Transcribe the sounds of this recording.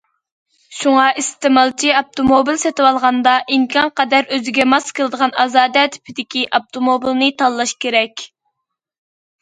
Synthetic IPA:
ʃuŋɑʔist̪ɪmɑlˠt͡ʃʰiɑp̚t̪ʰomobilsɛt̪ɨwɑlˠʁɑnd̪ɑʔimkʰʲɑnqɑd̪æɾøzɪɡʲɛmɑskəlˠɨd̪əʁɑnɑzɑːd̪ɛt̪ʰɪ̥pʰɪd̪ɪkʲiʔɑp̚t̪ʰomobilnɨt̪ʰɑlˠːɑʃkʲʰeɾɛkʲ

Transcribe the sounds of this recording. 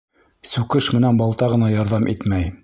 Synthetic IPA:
sʉkɘʃmɘ̆nænbɑlˠt̪ɑʁɤ̆nɑjɑɾðɑmʔit̪mæj

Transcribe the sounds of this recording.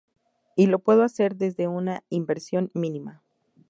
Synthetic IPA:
ilo̞pwe̞ðoase̞ɾðe̞zðe̞unaimbe̞ɾsjo̞nmĩnima

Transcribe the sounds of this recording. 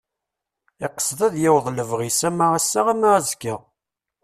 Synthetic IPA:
ɪqːə̥sˤðˤæðjæwðˤləvʁisæmaʁasːaʁamaʁzkːə

